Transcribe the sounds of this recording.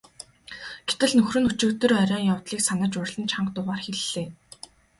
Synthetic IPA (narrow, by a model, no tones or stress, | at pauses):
ɡ̥et̪ɘ̆ɮnɵxrɵ̆nɵt͡ɕɵːt̪ɵ̆rœɾʲɔːŋjawt̪ɮiːksanə̆t͡ɕʊrɮə̆nt͡ɕʰaɴqt̪ʊʁaːrxeɮːeː